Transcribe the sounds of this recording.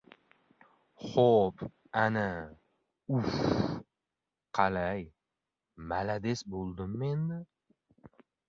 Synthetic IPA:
χop | ana | uf | qʰɑlaj | malad̪esbolˠd̪ɪmːend̪ɪ

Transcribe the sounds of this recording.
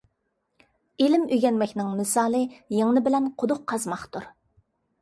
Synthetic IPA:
elɪmyɡʲɛnmɛkʲnɪŋmɪsɑːlˠɨjeŋnɨbɪlɛnqʰod̪ʊqʰːɑzmɑχt̪uɾ

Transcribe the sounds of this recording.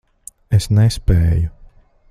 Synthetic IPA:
esnɛspɛːju

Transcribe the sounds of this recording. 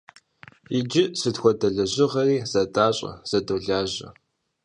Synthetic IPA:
ɪd͡ʒɪsɨtxʷɔdɐɮɐʑɪʁɐriːz̥ɐdaːɕʼɐ̰z̥ɐdoɮaːʑɐ̰

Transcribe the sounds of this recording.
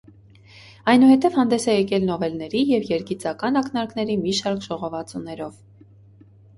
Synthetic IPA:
ɑjnuhɛt̪ɛvhɑnd̪ɛsɛjɛkɛlnɔvɛlnɛɾijɛvjɛɾɡit͡sɑkɑnɑknɑɾkn̪ɛɾimiʃɑɾkʰʒɔʁɔvɑt͡sunɛɾɔv

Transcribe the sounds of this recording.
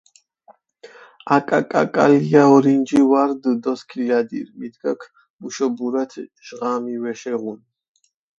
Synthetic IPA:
akʼakʼa̰kʼa̰liaɔɾind͡ʒiwaɾd̪əd̪ɔskʰilad̪ḭɾmid̪ɡakʰ | muʃɔbuɾat̪ʰʒ̥ʁamivɛʃɛʁun

